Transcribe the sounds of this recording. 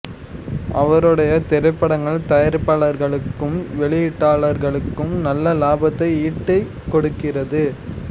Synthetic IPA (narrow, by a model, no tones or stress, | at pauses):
ʔɐʋɐɾɯɽɐjɐt̪ɛɾɐpːɐɽɐŋɡɐɭt̪ɐjɐɾɯpːaːɭɐɾɣɐɭɯkːɯmʋɛɭɪjɪʈːaːɭɐɾɣɐɭɯkːɯmnɐlːɐlaːbɐt̪ːɐɪiːʈːɐɪ | kːɔɽɯkːɪrɐðɯ